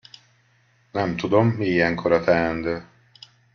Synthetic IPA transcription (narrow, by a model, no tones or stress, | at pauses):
nɛmt̪ud̪o̞mːiijɛŋkʰoɾɒt̪ʰɛɛnd̪øː